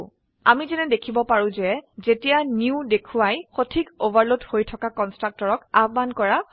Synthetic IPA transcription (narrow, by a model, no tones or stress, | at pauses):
amizɛnɛdekʰibɔpaɹũzɛzetijaniʊdekʰuwajxotʰikovaɹlothojtʰɔkakɔnstɹak̚tɔɹɔkabbankɔɹa